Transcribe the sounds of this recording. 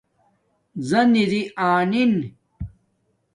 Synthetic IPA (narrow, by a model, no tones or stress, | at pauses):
zɐniɾiʔaːnin